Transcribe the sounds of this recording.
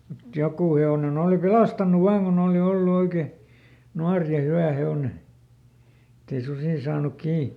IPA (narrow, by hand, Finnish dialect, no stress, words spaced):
mut jokuˑ heonen oˑli pelɑstɑnˑuʋ ʋɑːŋ kun oːli olːu oike nuɑr jɑ hywæ heone etːei susiˑ sɑːnuk kiː